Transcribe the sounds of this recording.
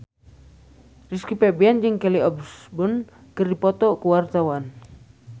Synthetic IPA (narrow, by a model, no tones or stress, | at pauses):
riskipɛbɛand͡ʒɨŋkɛliɔbsbɔn | kɨrdipɔt̪ɔkuwart̪awan